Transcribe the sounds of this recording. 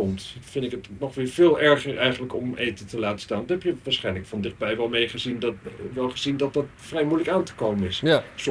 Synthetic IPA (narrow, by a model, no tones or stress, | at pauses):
ɔmtfɪndɪkətnɔχʋɪːɹv̥ɪːlˠɛɹχəɹʔɛjχənləkɔmʔejtəntəlaːtə̥staːnʋtɛpjəʋaːɹsχɛjnləkfɑndɪχd̚bɛjʋɛlˠmejχəzindʋɛlˠχəzindɑt̚dɑtfrɛjmujləkaːntə̥kowmənɪss